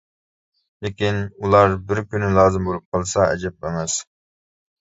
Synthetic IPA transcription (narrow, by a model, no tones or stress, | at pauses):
lekʲinulˠɑɾbɪɾkʲynɪlˠɑːzɨmbolˠup̚qʰəlˠsɑɛ̰d͡ʒɛp̚ɛmɛs